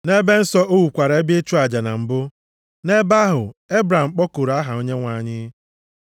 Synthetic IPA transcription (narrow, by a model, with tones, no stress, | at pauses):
ne˦be˦n̩˦sɔ˦ʔo˦wu˨kʷa˨ɾe˦be˦t͡ʃu˦a˨d͡ʒa˨na̰˨m̩˨bʊ˦ | ne˦ba˦ɦʊ˨e˦bɾa˨m̩˨k͡pɔ˦ko˨ɾa˦ɦa˨o˦ɲe˦ŋʷa˨ɲɪ˦